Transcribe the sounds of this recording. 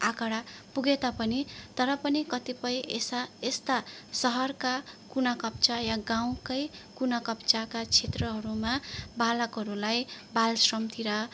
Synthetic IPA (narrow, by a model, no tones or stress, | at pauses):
akaɽapuɡet̪apʌnit̪ʌɾʌpʌnikʌt̪ipʌjesest̪asʌɦʌrkakunakʌp̚t͡sajaɡaw̃kʌjkunakʌpt͡sakat͡sʰet̪rʌɦʌɾumabalʌkɦʌɾulajbalsrʌmt̪iɾʌ